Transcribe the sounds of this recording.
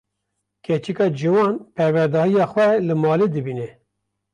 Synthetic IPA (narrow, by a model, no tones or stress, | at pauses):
kʰɛt͡ʃikɑːd͡ʒiwɑːnpʰɛɾwɛɾd̪ɑːhijɑːxwɛlɨmɑːleːd̪ɨbiːnɛ